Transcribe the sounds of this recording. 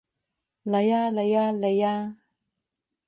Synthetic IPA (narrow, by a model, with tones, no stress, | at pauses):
la˨ja˦lə˨ja˦lə˨ja˦